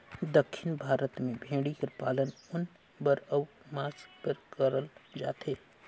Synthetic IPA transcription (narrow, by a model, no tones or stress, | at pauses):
d̪əkʰʃɪnbʱaːɾət̪mẽbʱẽːɽikəɾpaːlənʊn | bəɾəw | maːspəɾkəɾəld͡ʒa̰ːt̪ɦeː